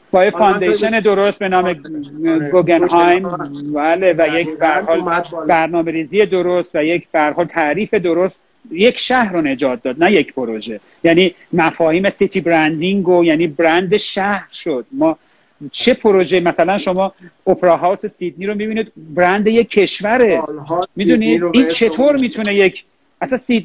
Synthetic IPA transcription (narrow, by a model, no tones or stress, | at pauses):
b̥ɒːjefɑnd̪ejʃene̞d̪o̞ɾo̞st̪̚be̞nɒːme | ɡoɡenɦɑjmbæːle̞væjecʰbehæɾhɒːlbæɾnɒːme̞ɾiːziːje̞d̪oɾo̞st̪væjecʰb̥ehæɾɦɒːlt̪ʰæʔɾiːfed̪oɾost̪ | je̞cʰʃæhɾone̞d͡ʒɒːt̪̚d̪ɒːd̪̚næjecʰpʰoɾoʒe̞ | jæːniː | mæfɒːhiːmesit̪ʰibɾænd̪iŋɡojæniːbɾænd̪eʃæhɾʃo̞d̪̥mɒː | t͡ʃʰe̞pʰoɾo̞ʒemæsælænʃo̞mɒːopʰeɾɒːɦɒːwse̞sid̪niːɾo̞mibiːniːd̪bɾænd̪e̞je̞kʰːe̞ʃvæɾe̞mid̪uniint͡ʃʰe̞t̪ʰoːɾmiːt̪ʰune̞je̞cʰ | æsænsi